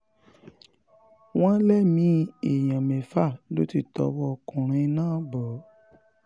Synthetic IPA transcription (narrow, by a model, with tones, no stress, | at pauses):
w̃ã˦lɛ˦˨mĩ˨˧˦e˨jã˨mẽ˨fa˦˨lo˦ti˦˨tɔ̰˨˧˦wɔ˧˨kũ˨ɾ̃ĩ˧˦nãː˦˨˦bɔ˨˦